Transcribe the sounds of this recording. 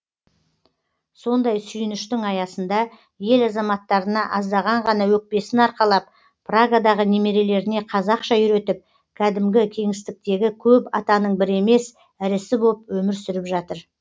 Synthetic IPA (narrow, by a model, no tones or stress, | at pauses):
so̞nd̪ɑjsʏjɪnɪʃt̪ɪŋɑjɑsənd̪ɑ | je̞lɑzɑmɑt̪ːɑɾənɑʔɑzd̪ɑʁɑɴʁɑnɑwɵk̚pe̞sɪnɑɾqɑlˠɑp̚ | praɡad̪ɑʁəne̞me̞ɾe̞le̞ɾɪne̞qʰɑzɑqʃɑʏɾe̞t̪ɪp̚ | kʲʰæd̪ɪmɡʲɪkʲʰe̞ŋɪst̪ɪk̚t̪e̞ɡʲɪkʲʰɵpɑt̪ɑnəɴbɪɾe̞me̞s | ɪɾɪsɪbo̞lˠəpwɵmɪɾsʏɾɪpʒɑt̪əɾ